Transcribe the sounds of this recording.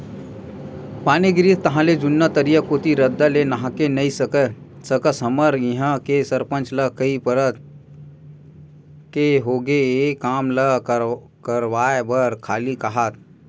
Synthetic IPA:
paːniɡɪɾit̪t̪ɐɦãːled͡ʒʊnːat̪əɾijakoːt̪iɾɐd̪ːalenɐɦãkenɐisəkə | səkəsɐməɾjiɦãkesəɾpə̃nt͡ʃləkəipəɾət̪ | keɦoːɡeekaːmlə | kəɾwaːebəɾkʰaːlikɐɦaːt̪

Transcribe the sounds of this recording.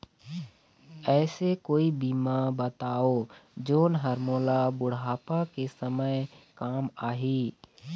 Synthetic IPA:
ɛːsekoːibimabət̪aːoːd͡ʒoːnɦəɾmoːlabʊɽɦaːpakesəməjkaːmaːɦiː

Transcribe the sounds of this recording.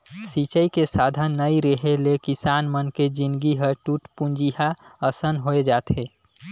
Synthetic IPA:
sit͡ʃəikesad̪ʱənːəiɾəɦelekisanmənked͡ʒind̪ɡiɦəɾʈuʈpund͡ʒiɦaəsənɦoed͡ʒaːt̪ɦe

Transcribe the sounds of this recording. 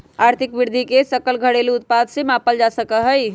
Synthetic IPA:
aɾt̪ʰikʋiɾd̪ʱikesəkəlɡʱəɽeliut̪̚pad̪semãpəld͡ʒasəkəɦəj

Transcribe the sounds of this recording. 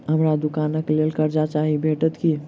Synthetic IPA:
ɦəmɾad̪ukaːnəklelkəɾd͡ʒat͡ʃaɦibʱeʈət̪ki

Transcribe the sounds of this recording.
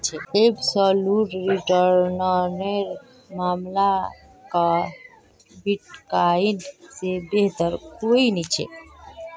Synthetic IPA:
ebsəluʈɾiʈəɾnəneɾ | mamla | ka | biʈkainsebeɦt̪əɾkoinɛt͡ʃʰɛ̰

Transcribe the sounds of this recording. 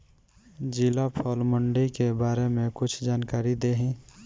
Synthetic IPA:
d͡ʒilapʰɔːlməɳɖikebaːɾemẽkʊt͡ʃʰd͡ʒaːnkaːɾid̪eɦĩ

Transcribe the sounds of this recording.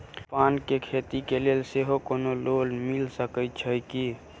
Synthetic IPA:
pankekʰet̪ikelelseɦokonololmilsəkət͡ʃʰəjki

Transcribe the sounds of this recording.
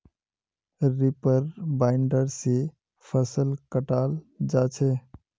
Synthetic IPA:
ɾipəɾbaɪɳɖəɾsi | pʰəsəlkəʈaːl | d͡ʒaːt͡ʃʰe

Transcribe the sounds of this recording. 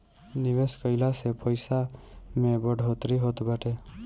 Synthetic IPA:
nɪʋeskəɪlasepəjsamẽbəɖʱot̪ɾiɦot̪baʈe

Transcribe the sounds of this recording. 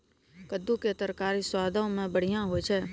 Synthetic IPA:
kəd̪ũket̪əɾkaɾiswad̪ʱaõmãbəɽ̤ijãɦojt͡ʃʰe

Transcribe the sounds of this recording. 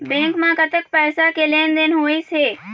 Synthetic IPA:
bẽːŋkmãkət̪ək̚pɛːsakeleːnd̪enɦoːeseː

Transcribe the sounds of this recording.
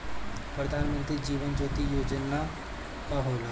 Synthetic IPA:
pɾəd̪aːnmə̃nt̪ɾiːd͡ʒiːʋənd͡ʒoːt̪iːjoːd͡ʒənaː | paɦoːla

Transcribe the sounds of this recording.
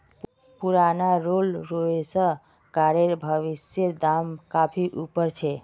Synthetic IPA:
puɾanaɾolɾoesə̃ | kaɾeɾbʱəʋisjeɾd̪amkapʰiʔupəɾt͡ʃʰɛ

